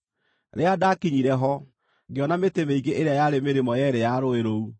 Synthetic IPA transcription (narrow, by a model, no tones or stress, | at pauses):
ɾeadakiɲiɾɛɦɔ | ɡeɔnametemeiɡeʔeɾeajaɾemeɾemɔjɛɾɛjaɾoeɾou